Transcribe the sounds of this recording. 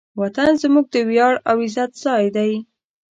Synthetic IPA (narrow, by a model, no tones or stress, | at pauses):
wat̪anzmuɡ̚d̪əwjɑɽawɪzat̪z̥ɑjd̪aj